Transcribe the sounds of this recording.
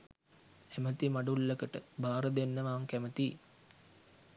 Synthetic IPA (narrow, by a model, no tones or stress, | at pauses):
hæmət̪imaɖulːəkəʈəbaːɾəd̪enːəʋaːŋkæmət̪i